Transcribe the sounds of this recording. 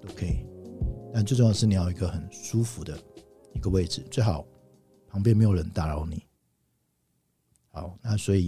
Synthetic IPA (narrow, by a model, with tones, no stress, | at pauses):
t̪o˥ʊkʰə˧˥i˨˩t̪a˥˧ntt͡swe˥˧o˥˧jɑ˥˧˩ə˧ʂɻ̩˥˩ni˨˩jɑ˥˩i˧ɡə˧xə˨˩nʂu˦fu˧˦d̪ə˧ | i˧˥ɡə˧we˥˩ɪʈ͡ʂɻ̩˨˩t͡swe˥˩ɪxɑ˨˩˦ʊ | pʰɑ˧˥ŋmpjnme˧˥ɪjo˨˩ɻə˧˦nt̪a˥˩ɻɑ˨˥ʊni˨˩˦ | xɑ˨˦ʊna˥˨swɔ˧˥i˨